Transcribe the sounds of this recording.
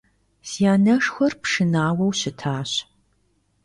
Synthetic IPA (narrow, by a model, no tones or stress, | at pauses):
siaːnɐʂxʷɔrpʂɨnaːwɐwɕɪtʰaːɕ